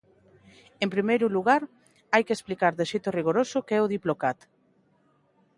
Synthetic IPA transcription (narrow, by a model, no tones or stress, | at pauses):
empɾimejɾʊluɣaɾ | ajkesplikaɾðeʃejt̪ʊriɣoɾosʊkeɛʊðiplokat̪